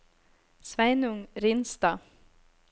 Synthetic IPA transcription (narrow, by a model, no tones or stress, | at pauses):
svɛjnuŋɾɪnst̪a